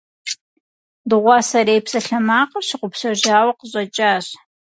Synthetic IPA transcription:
dɨʁʷɑːsɐɾeːjpsɐɬɐmaːqərɕɪqʷʊpsɐʑaːwɐqəɕʼɐt͡ʃʼaːɕ

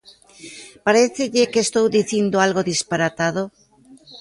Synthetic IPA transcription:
paɾeθeʎekeːst̪owðiθind̪oalɣoðispaɾat̪aðo

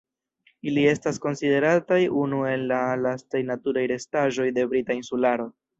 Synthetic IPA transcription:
ilie̞stasko̞nside̞ɾatajunue̞lːalastajnatuɾajɾe̞staʒo̞jde̞bɾitainsulaɾo̞

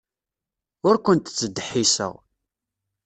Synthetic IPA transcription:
ʊɾkʷənt̪t͡sːəd̪ːħːisə̰ʁ

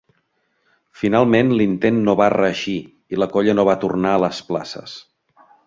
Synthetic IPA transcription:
finalˠmenlint̪enːoβarəːʃi | iləkɔʎənoβat̪urnaələspla̰sə̰s

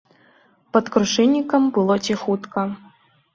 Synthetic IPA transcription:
pɐt̪kɾuʂɨnʲːikɐmbɨlˠɔt͡sʲixut̪kɐ

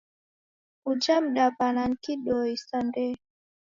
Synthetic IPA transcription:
ud͡ʒam̩ɗapanaŋ̩kiɗɔisandɛ

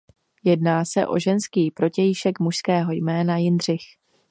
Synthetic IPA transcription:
jɛdnaːsɛ̰ʔo̞̰ʒɛnskiːpɾo̞cɛjɪʃɛkmuʃskɛːɦo̞jmɛːnajɪndr̝ɪx

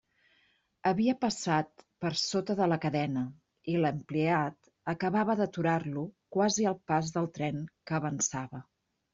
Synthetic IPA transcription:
əβiəpəsat̪̚pəɾsot̪əðələkəðɛnə | iləmpliat̪ | əkəβaβəðət̪uɾarlukwaziəlˠpazðəlˠt̪ɾɛŋkəːβənsaβə

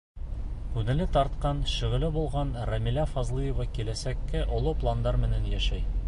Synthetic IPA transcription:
kʉŋɘ̆lɘt̪ɒɾt̪̚qɑnɕɵ̆ʁɘ̆lɘbulˠʁɑnɾɐmʲilæfɑzlˠɤjɤ̆vɑkilæsækːɘʔŏlˠuplˠand̪ɑɾmɘ̆nænjæʃæj

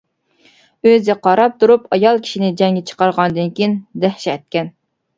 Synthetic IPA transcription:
øzɪqɑɾɑp̚t̪ʰuɾupʰɑjɑlˠkʲʰi̥ʃinɪd͡ʒɛŋɡʲɛt͡ʃʰə̥qɑɾʁɑnd̪ɨnkʲʰijind̪æhʃɛɛt̪̚kʲɛn

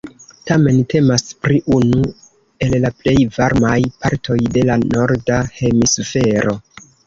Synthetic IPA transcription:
tame̞nte̞maspɾiʔunu | e̞llaple̞jvaɾmajpaɾtʰo̞jde̞lano̞ɾdahe̞misufe̞ɾo̞

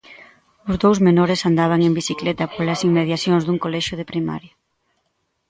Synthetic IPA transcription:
ʊzðowzmenoɾesand̪aβ̞aŋembisiklɛt̪ɐpolɐsiŋmmeðjaθjoŋzðuŋkolɛʃʊð̞epɾima̰ɾja

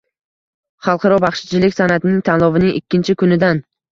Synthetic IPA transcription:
χɑlˠqʰɑɾɒbɑχʃɪ̥t͡ʃʰɪlɪkʲsanat̪ɪnɪŋt̪ʰanlˠɒvɪnɪŋɪkʲʰːɪnt͡ʃʰɪkʰʊnɪd̪an

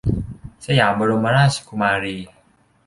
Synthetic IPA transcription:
sajabəɾoməɾaskumaɾi

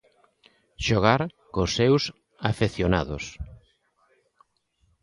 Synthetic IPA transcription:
ʃoɣaɾkosːews | afeθjonaðo̰s

